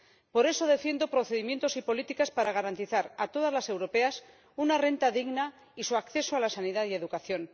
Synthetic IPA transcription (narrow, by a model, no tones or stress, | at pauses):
po̞ɾe̞so̞ðe̞fje̞nd̪o̞pɾo̞θeðimje̞nt̪o̞sipo̞lit̪ikaspaɾaɣ̞aɾant̪iθaɾat̪o̞ð̞azlase̞wɾo̞pe̞as | unare̞nt̪aðiɣna | isuakθe̞soalasaniðaðie̞ðukaθjo̞n